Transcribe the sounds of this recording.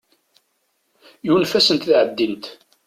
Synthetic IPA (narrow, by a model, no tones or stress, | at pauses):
junfæsənt̪θʕəd̪ːint̪